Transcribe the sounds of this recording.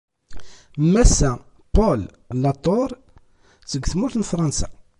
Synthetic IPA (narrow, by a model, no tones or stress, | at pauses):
mːæsːæ | pol | nːɑt̪ˤːoɾˤ | səɡʷθmʊθnfɾˤɑnsæ̰